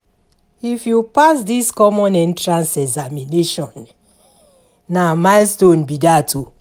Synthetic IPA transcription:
ifjupasdiskɔmɔ̃nɛ̃ntɹãnsɛɡzamineʃɔ̃n | amaɪstõnbidatʰu

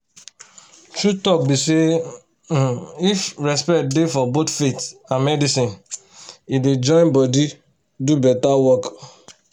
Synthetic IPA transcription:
t͡ʃutɔk̚bise | ifɹɛspɛt̚defɔbotfetãnmɛdisĩn | ided͡ʒɔ̃ɪ̃nbɔdi | dubɛtawɔk

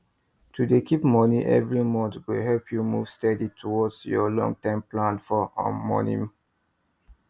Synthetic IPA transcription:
tʰudekipmɔniʔɛ̰vɹimɔ̃ntwiɦɛlpʰjumṵv̥stɛditʰuwɔdsjɔlɔ̰̃ŋtãɪ̃mplãnfɔã̰mɔ̰nḭm

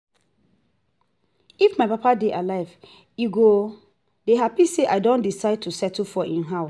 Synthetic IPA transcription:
ifmaɪpapadeʔalaɪv | iɡo | deɦapiseʔaɪdõndisaɪd̚tʰusɛtufɔʔĩnɦaʊs

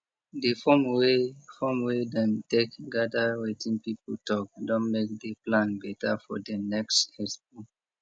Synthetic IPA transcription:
defɔmwefɔmwedɛ̃ntekɡadawetĩnpipultɔk̚dɔ̃nmek̚deplãnbɛtafɔ̰dənɛkstɛsbũ

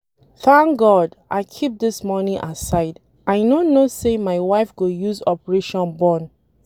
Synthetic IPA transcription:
fãŋɡɔdʔaɪkʰip̚d̪ɪsmɔnĩŋʔasaɪd | ʔãɪnonosemaɪwaɪfɡojuzɔpəɹeʃɔ̃nbɔ̃n

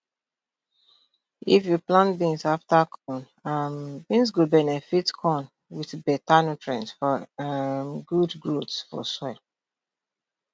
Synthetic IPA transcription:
ifjuplãnbĩŋsaftakʰɔ̃n | ambĩns̬ɡubɛnɛfitkʰɔ̃n | wiθbɛtanotʰɹɛ̃ntsfɔ | mɡudɡɹotsfɔ̰sɔɪl

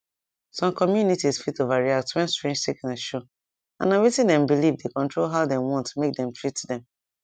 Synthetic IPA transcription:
sɔ̃mkɔmjunitisfitovaɹiak̚twɛ̃nstɹẽnd͡ʒsteknaʃo | ã̰nawetĩdɛ̃mbilivdekɔ̃ntɹolɦaʊdɛ̃mwɔ̃ntmek̚dɛ̃mtɹitdɛ̃m

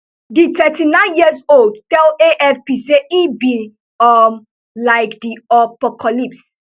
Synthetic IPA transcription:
ditɛtinãɪ̃njiəzold̚tɛleʔɛfpiseʔibi | ɔm | laɪkdiapɔkʰalips

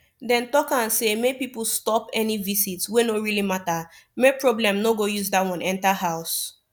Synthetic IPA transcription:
dɛ̃ntɔkãnsemepipl̩stɔpɛnivisitswenoɹilimata | mepɹɔblɛ̃mnoɡojuzdatwɔ̃nɛ̃ntahaʊs

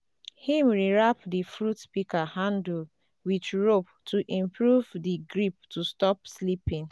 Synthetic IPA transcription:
hĩmɹiɹapdifɹutpikahãndl | wit͡ʃɹop | tʰuʔĩmpɹuvdiɡɹip̚tʰustɔpslipĩn

